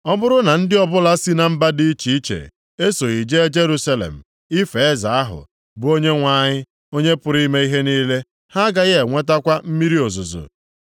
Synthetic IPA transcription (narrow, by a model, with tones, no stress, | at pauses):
ɔ˦bʊ˦ɾʊ˦na˨n̩˦dɪ˦ɔ˦bʊ˦la˦si˦na˨m̩˦ba˦di˦t͡ʃi˨i˦t͡ʃḛ˨ | e˦so˨i˨d͡ʒe˦d͡ʒe˦ɾu˦sa˦lḛ˨m̩˨ | i˦fe˨˦za˨a˦ɦʊ̰˨ | bʊ˦o˦ɲe˦ŋʷa˦˨ɲɪ˦ | o˦ɲe˦pʊ˨ɾi˦me˦i˦ɦe˦niː˦le˦ | ha˦ɡa˦ɣe˨ŋʷe˦ta˦kʷa˦m̩˦mi˦ɾi˦o˨zʊ˨zo̰˨